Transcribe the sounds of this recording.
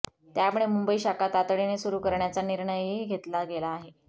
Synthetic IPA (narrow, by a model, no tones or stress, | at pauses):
t̪jaməɭemumbəiːɕakat̪at̪ɽinesuɾukəɾɳjat͡saniɾɳəjɦiɡʱet̪laɡelaːɦe